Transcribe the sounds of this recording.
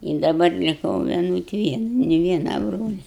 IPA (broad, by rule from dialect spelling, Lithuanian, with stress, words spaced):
ɪ dɐˈbɐr lʲɪˈkɐʊ ʋʲiɛˈnʊt ˈʋʲiɛn nʲɪ ˈʋʲiɛnɐ ˈbroːlʲɛ